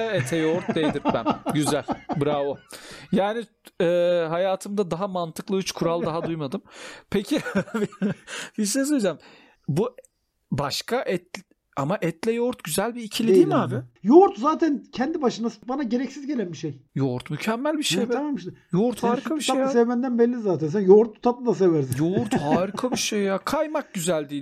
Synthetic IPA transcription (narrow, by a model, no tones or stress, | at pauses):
ɛt̪ʰɛjoɾt̪̚d̪ejd̪iɾbænɟyzælʲbɯɾaojaːni | ɛːɦajaːt̪ʰɯmd̪ad̪aɦamant̪ʰɯklˠɯyt͡ʃkʰuɾalˠd̪aɦad̪ujmad̪ɯmpʰecʰi | bisɛsod͡ʒam | bu | baʃkʰaʔɛt̪l | amaʔɛt̪lʲɛjoɾt̪ɟyzælʲbiːcʰilʲid̪iːmaːbɪjoɾt̪zaːt̪ʰæncʰɛnd̪ibaʃɯnasɯbanaɟe̞ɾɛcsizɟe̞lʲænbiʃejjoɾt̪mycʰɛmːælʲbiʃej̪ʰamamɯʃt̪joɾt̪haːɾikʰabiʃaejasɛvmænd̪ænbɛlʲːizaːt̪ʰæns̬ænjoɾt̪̚ut̪ʰap̪̚ɯd̪as̬evæɾsijoɾt̪haːɾikʰabiʃejakʰajmak̚ɟyzælʲd̪iː